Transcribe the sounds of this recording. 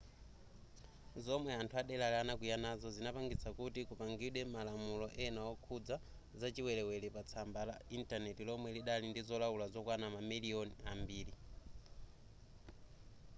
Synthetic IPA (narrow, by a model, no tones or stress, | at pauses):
zɔmwɛantʰuaɗɛlalanakujanazɔzinapaŋɡit͡sʰakutikupaŋɡiɗwɛmalamulɔʔɛnawɔkʰud͡za | zat͡ʃiwɛlɛwɛlɛpat͡sʰambalaintanɛtilɔmwɛliɗalindizɔlawulazɔkwanamamiliɔniambiːli